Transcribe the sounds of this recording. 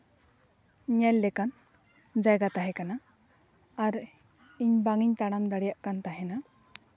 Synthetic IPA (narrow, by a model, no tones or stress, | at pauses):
ɲɛlːɛkan | d͡ʒajɡat̪aɦɛkanaː | ɾ | iɲbaŋiɲt̪aɽ̃amd̪aɽijaʔkant̪aɦɛna